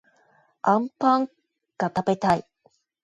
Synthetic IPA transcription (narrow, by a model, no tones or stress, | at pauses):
ãmpãŋ | kat̪abet̪ai